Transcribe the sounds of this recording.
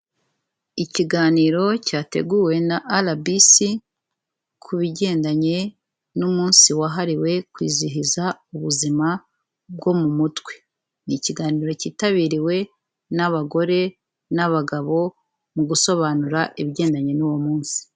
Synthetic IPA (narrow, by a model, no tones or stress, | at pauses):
iciɡaːniːɾo̞caːte̞̰ɡuːwe̞naʔalabisi | kʰuβiɟe̞ːndaɲe̞ | numuːnsiwaɦaɾiwe̞kwḭːziɦizauβuzima | b̚ɡo̞mumutwe̞ | niciɡaːniːɾo̞ciːtaβiːɾiwe̞ | naβaɡo̞ɾe̞ | naβaɡaβo̞ | muɡuso̞βaːnuɾaʔiβɟe̞ːndaɲe̞nuwomuːnsi̥